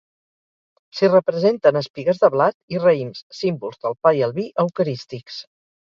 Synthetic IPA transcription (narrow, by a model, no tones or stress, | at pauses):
sirəpɾəzent̪ənəspiɣəzðəβlat̪irəimsːimbulˠzðəlˠpaiəlˠβiʔəwkəɾist̪iks